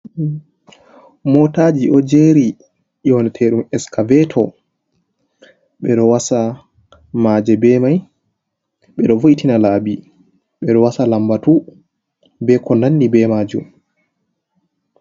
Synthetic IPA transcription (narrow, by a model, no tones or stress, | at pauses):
mɔtad͡ʒiʔɔd͡ʒeːɾi | ʔɔnɛtʰɛɗumɛskavɛtʰɔ | ɓɛɗɔwasa | maːd͡ʒɛbɛmaj | ɓɛɗɔvojitinalaːbi | ɓɛɗɔwasalambatu | bɛkɔnanːibɛmaːd͡ʒṵm